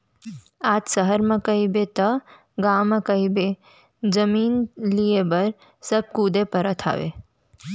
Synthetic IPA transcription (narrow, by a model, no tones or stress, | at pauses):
aːtsəɦəɾmɐ̃kəibet̪ɐ | ɡaːməkəibe | d͡ʒɐmiːnliebəɾ | səb̚kuːd̪epəɾət̪ʰa̰ːʋḛ